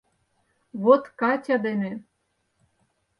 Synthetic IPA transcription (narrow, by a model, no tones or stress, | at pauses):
βot̪kɑtʲɑd̪ene